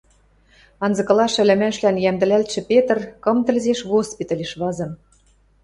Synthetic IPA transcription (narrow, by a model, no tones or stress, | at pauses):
ɑnzɤ̆kɤ̆lɑʃɘ̆lɘ̆mæʃlænjæmd̪ɘ̆lælt̪ʃɘ̆pʲet̪̆rkɤ̆mt̪ə̆lzeʃɣospit̪ɑlʲeʃβɑzɤ̆m